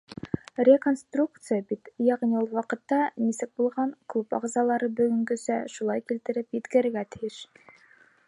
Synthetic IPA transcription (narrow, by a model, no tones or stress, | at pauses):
rʲekonst̪rukt̪sɨjabit̪jæʁniulˠwɑqɤ̆t̪ːɑnisɘk̚bulˠʁɑɴklˠupɑ̰ʁzɑlˠɑɾɤbɵ̆ɡɵ̆ŋɡɵ̆sæʃulˠɑjkilt̪ɘ̆ɾɘpjɘ̆t̪kɘ̆ɾɘ̆ɾɡæt̪ʰɘ̥̆jɘʃ